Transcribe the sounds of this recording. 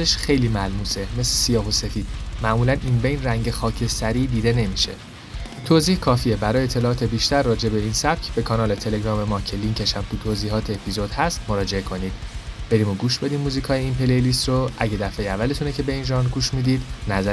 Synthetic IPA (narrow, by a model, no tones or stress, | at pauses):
eʃxe̞jliːmælmuːse̞me̞slesijɒːɦose̞fiːd̪̥mæʔmuːlænʔinbejnræŋɟe̞xɒːcʰe̞sæɾiːd̪iːd̪e̞ne̞miʃe̞̰ | t̪ʰoziːhkʰɒːfiebæɾɒːjet̪ʰːe̞lɒːɒːt̪ʰe̞biːʃt̪æɾːɒːd͡ʒe̞be̞iːnsæb̥̚cʰbe̞kʰɒːnɒːle̞t̪ʰe̞leɡɾɒːme̞mɒːcʰeliŋcʰe̞ʃæmt̪ʰut̪ʰoːziːɦɒːt̪ʰeːpʰizod̪hæst̪mo̞ɾɒːd͡ʒe̞ekʰo̞niːd̪̥b̥e̞ɾiːmo̞ɡuːʃb̥e̞d̪iːmːuːzikʰɒːjeimpʰelelist̪roæɟe̞d̪æfejeævːæle̞t̪ʰunecʰe̞be̞inʒɒːnɡuːʃmid̪iːd̪næzæ